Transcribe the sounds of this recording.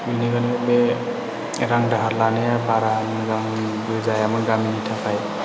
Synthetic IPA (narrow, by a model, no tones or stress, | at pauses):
bineɡanebe | ɾaŋdaɦaɾlanejapaɾaːmanɡaŋbud͡ʒajamanɡaminitʰapʰaj